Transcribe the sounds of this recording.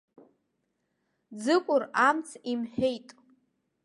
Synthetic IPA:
d͡zɨkʷʼʊramt͡sʰimħᶣejtʼ

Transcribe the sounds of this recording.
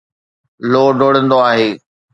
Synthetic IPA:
loːɖʱoːɽə̃nd̪oaːɦeː

